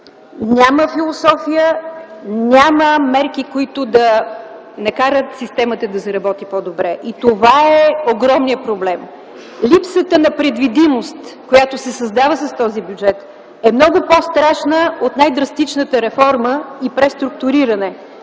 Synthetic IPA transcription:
nʲaməfilˠosɔfijə | nʲaməmɛɾkikoit̪ʊd̪ɐ | nɐkaɾət̪sist̪ɛmət̪əd̪ɐzɐɾɐbɔt̪ipɔd̪obɾɛʔit̪ovaɛoɡɾɔmnijəpɾoblɛm | lipsət̪ənɐpɾɛd̪vid̪imost̪kojat̪osɛsɐzd̪avəsəst̪ɔzibʲjud͡ʒɛt̪ | ɛmnɔɡʊpost̪ɾaʃnəot̪najd̪ɾɐst̪it͡ʃnət̪əɾɛfɔɾməipɾɛst̪ɾuk̚t̪ʊɾiɾənɛ

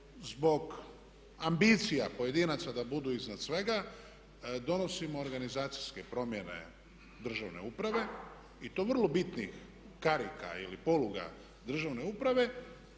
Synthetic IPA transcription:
zbo̞ɡ | ambit̪sijapo̞je̞d̪inat̪sad̪abud̪uiznad̪sʋe̞ɡa | d̪o̞no̞simo̞ːɾɡanizaːt̪sijske̞pɾo̞mje̞ne̞̰ | d̪r̩ʒaʋne̞upɾaʋe̞ | it̪o̞ʋrlˠo̞bit̪nix | kaɾika̰ḭlipo̞luɡa̰ | d̪r̩ʒaʋne̞upɾaʋe̞

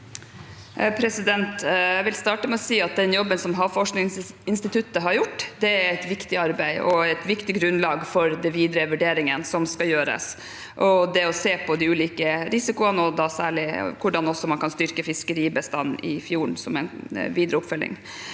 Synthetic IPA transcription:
pʰɾɛsɪd̪ɛnt̪jæʋɪlst̪ɑːʈəmɛɔsiːɑt̪̚d̪ɛnjɔbːənsɔmɦɑfɔʂknɪs | ɪnst̪ɪt̪ʰʉt̪ːəɦɑɾjʊʈːd̪ɛæɾɛɪt̪ʋɪkt̪ɪɑɾbæɪɔɛt̪ʋɪkt̪ɪɡɾʉnlɑːɡfɔɾd̪ɛnʋiːd̪ɾəʋʉɖeːɾɪŋənsɔmskɑjøːɾə̰s | ʔɔd̪ɛɔseːpʰɔd̪ɪʉːliːkəɾɪsɪkʊənɔd̪ɑsæːɭɪkʰʊɖɑnɔsːɔmɑnkʰɑnst̪ʏɾkəfɪskəɾiːbəst̪ɑnːɪ̰fjuːɳsɔmɛɪnʋiːd̪ɾəʊpfœlːɪ̰ŋ

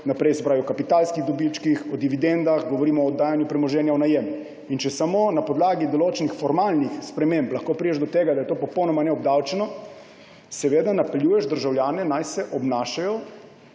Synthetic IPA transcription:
napɾɛjsɛ̥pɾaʋiɔkapit̪aːlskiɣd̪ɔbit͡ʃkixɔd̪iʋid̪end̪axɡɔʋɔɾiːmɔːd̪ːaːjanjupɾɛmɔʒɛːnjaɔnajɛm | int͡ʃɛsamoːnapɔd̪laːɡid̪ɔloːt͡ʃɛnixfɔɾmaːlnixspɾɛmemplɐxkoːpɾidɛʒd̪ɔt̪eːɡad̪ajɛt̪oːpɔpɔwnɔmanɛɔb̚d̪awt͡ʃɛnɔ | sɛʋeːd̪anapɛljuːjɛʒd̪əɾʒawljaːnɛnajsɛʔɔbnaːʃajɔ

